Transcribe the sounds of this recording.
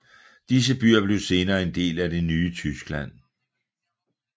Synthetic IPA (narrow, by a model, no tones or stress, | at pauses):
d̥is̬əb̥yɐ̰b̥le̝ʊse̝ːnɐːe̝nd̥e̝̰ːlæde̝nyːət͡sʰysɡ̥læn̰